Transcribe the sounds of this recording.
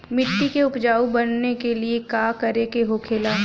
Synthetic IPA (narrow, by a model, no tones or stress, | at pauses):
mɪʈːikeʊpd͡ʒaːubɐnːekeliekaːkɐɾekeɦokʰeːlaː